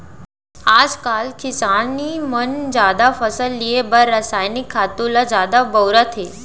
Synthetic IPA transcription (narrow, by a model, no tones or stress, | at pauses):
ad͡zkalkʰisanːimənd͡zad̪afəsəlːiebəɾːasajnikʰːat̪ulad͡zad̪abəwɾat̪ʰɦe